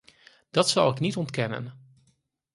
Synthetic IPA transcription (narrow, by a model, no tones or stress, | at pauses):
d̥ɑtsɑlˠɪknitɔntkɛnə̰n